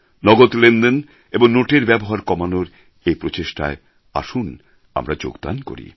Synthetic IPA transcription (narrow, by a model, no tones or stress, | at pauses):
nɔɡot̪lend̪en | eboŋnoʈeɾbɛboɦaɾkɔmanoɾ | ejpɾot͡ɕeʃʈa̰e | a̰ʃun | a̰mɾad͡ʑo̰ɡd̪a̰nko̰ɾḭ